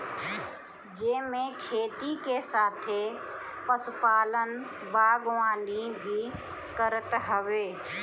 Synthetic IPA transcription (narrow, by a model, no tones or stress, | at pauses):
d͡ʒeːmẽkʰeːt̪ikesaːt̪ʰe | pəsʊpaːlən | baːɡʋaːnibʱi | kəɾət̪ɦəʋeː